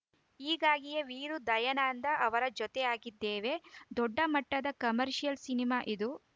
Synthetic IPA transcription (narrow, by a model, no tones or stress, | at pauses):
iːɡaːɡijeʋiːɾud̪ɐjɐnaːnd̪ɐʔɐʋɐɾɐd͡ʒɔt̪ɛaːɡid̪ːeːʋe̞d̪ɔɖːɐmɐʈːɐd̪ɐkɐmɐɾʃijɐlsinimaːʔid̪u